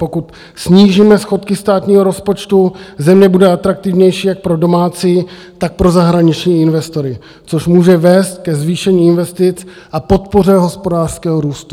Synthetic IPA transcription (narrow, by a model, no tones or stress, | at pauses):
po̞kut̪ | sɲiːʒiːmɛsxo̞t̪kɪst̪aːt̪ɲiːɦo̞ɾo̞spo̞t͡ʃt̪uzɛmɲɛbudɛat̪ɾak̚t̪ɪvɲɛjʃiːjak̚pɾo̞do̞maːt͡siː | t̪ak̚pɾo̞zaɦɾaɲɪt͡ʃɲiːɪnvɛst̪o̞ɾɪ | t͡so̞ʃmuːʒɛvɛːst̪̚kɛzviːʃɛɲiːɪnvɛst̪ɪt͡s | ʔapo̞t̪po̞rɛɦo̞spo̞daːr̥skɛːɦoɾuːst̪u̥